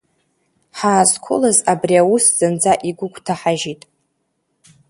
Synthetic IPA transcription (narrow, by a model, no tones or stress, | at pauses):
ħaːzkʷʰʊ̰lazabriawusz̥ɨnd͡zaʔiɡʷʊkʷʰʼtʰaħaʒitʼ